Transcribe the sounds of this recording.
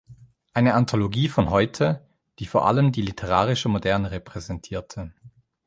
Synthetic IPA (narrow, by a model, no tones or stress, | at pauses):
ʔaɪnəantʰoloɡiːfɔnɦɔʏtʰə | d̥iːfoːɐʔa̰ləmdiːlitʰəʁaːʁɪʃəmodɛɐnəʁɛpʁ̥ɛzɛntʰiːɐtʰə